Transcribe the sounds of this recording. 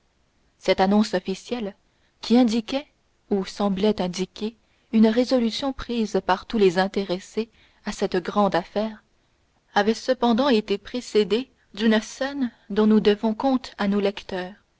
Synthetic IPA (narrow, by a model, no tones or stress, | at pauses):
sɛt̪anɔ̃sɔfisjɛl | kʲʰiɛ̃d̪ikʲɛ | usɑ̃blɛt̪ɛ̃d̪ikʲe | ynʁezɔlysjɔ̃pχiːzpaʁt̪ulezɛ̃t̪eʁese | asɛt̪ɡʁɑ̃d̪afɛːʁ | avɛsəpɑ̃d̪ɑ̃et̪epχesed̪e | d̪ynsɛn | d̪ɔ̃nud̪əvɔ̃kɔ̃t̪anolɛkt̪œːʁ